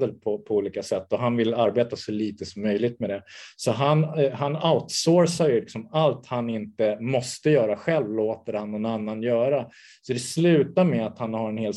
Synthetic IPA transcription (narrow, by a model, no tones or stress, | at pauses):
d̪əɾpʰɔpʰɔuːliːkasɛt̪ːɔɦanvɪlːaɾbeːt̪asɔliːt̪əsɔmːœjlɪɡ̚t̪mɛd̪ɛsɔɦanɦanaʊt̪soːɾsajlɪksɔmalt̪hanɪnt̪əmɔst̪əjœːɾaɧɛlvloːt̪əɾhanːɔnanːanjœːɾa | sɔd̪ɛslʉ̟ːt̪amɛat̪hanhaɾɛnheːl